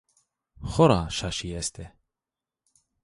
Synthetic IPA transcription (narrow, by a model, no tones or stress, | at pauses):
χɔɾaʃaʃijɛst̪ʰɛ